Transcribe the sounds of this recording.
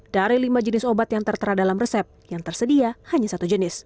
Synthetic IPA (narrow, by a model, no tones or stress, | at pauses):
d̥aɾilimad͡ʒənɪsobat̪jaŋt̪ərt̪əɾadalamrəsɛp̚jaŋt̪ərsədiahaɲasat̪ud͡ʒənɪs